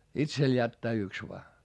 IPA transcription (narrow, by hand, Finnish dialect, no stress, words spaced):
itsel jætːæː yks ʋoɑ